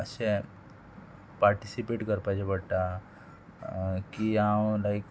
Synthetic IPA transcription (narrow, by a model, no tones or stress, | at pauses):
əsẽ | paɾʈisipeʈkəɾpajd͡ʑebəɽʈ̪a | kiawlajk